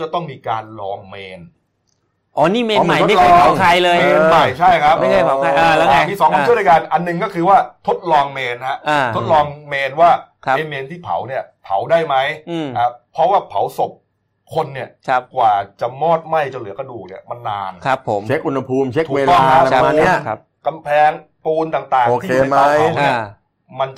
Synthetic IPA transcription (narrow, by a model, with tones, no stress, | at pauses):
t͡ɕa˨˩t̪ɔ˥˩ŋmiː˧kaː˧nlɔː˧ŋmeː˧n | ʔɔː˦niː˥˩meː˧ma˨˧˩jo˦mː˥˦˥ɔː˧a˨˦ŋkʰa˧jlɤː˧jmeː˧ma˨˩jt͡ɕʰa˥˩jkʰa˦˥pma˥˩kʰaː˧˩a˨˦wʰa˧aː˧a˧t̪ʰiː˥˩sɔː˨˦ŋɔ˧˥˩d̪jkaː˧nʔa˧nːɯ˨˩ŋkɔː˥˩kʰɯː˧waː˥˩t̪ʰo˦˥t̪̚lɔː˧ŋmeː˧nha˦˥ʔʔaː˧˩o˦˥t̪̚lɔː˧ŋmeː˧nwaː˥˩kʰe˧nmeː˧nt̪ʰiː˥˩pʰa̰˩˦wni˥˩ɐpʰa˩˦wdaː˥˩jma˦˥jʔaː˧˩pʰɾɔ˦˥waː˥˩pʰa˩˦wso˨˩p̚ | kʰo˧nːi˥˩ɐkʰkwaː˨˩t͡ɕa˨˩mɔː˥˩t̪̚ma˥˩jt͡ɕa˧lɯ˩˦ɐka˧duː˨˩k̚nḭ˦˥˩ma˧nːa̰ː˧nkʰa˦˥pʰo˩˦mʰe˦˥k̚ʔu˧nːa˧pʰuː˧mt͡ɕʰe˦˥t̪ːweː˧lɔ˧˩a˦˥a˧˦a˦˧n˧i˥˩ɐ˦ | ka˧mpʰɛː˧ŋ | puː˧nt̪aː˨˩ŋt̪aː˨˩ŋoː˧k̪ʰiː˥eː˨˧˨maː˧˦˥ni˥˩ | ma˧n